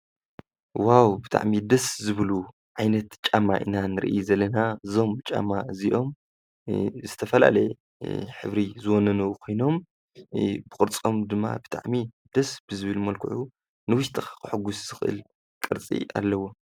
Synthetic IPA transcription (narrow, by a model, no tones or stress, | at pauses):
wawbɨt̪ʰa̰ʕmid̪ɐszɨβɨlu | ʕajnɐt̪t͡ʃʼama̰ʔɨ̰nanɨɾɨ̰ʔijzɐlɐnazo̞mt͡ʃʼa̰maziʔo̞m | zɨt̪ʰɐfɐla̰lɐj | ħɨ̰βɾizɨwɔnɐnɐwukʰo̞jno̞m | bɨkʼɨɾt͡sʼo̞md̪ɨmːa̰bɨt̪ʰa̰ʕmid̪ɐsbɨzɨβɨlmɐlkʰɨʕu | nɨwʊʃt̪ʰʼɨ̥kɨħʊɡusz̥ɨxɨʔɨ̰l | kʼɨɾt͡sʼḭa̰lːɐwo̞